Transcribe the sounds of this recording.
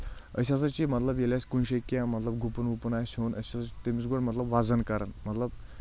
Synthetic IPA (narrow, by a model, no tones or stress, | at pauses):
əsat͡sat͡ɕimət̪ləbjeljaskunɕekjamət̪ləbɡupənupnajsonəɕat͡st̪emit͡sɡoɽmət̪ləbʋad͡zənkəɾanmət̪ləb